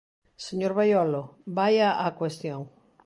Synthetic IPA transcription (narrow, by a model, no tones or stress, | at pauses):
seɲoɾβajɔlobajaʔakwest̪joŋ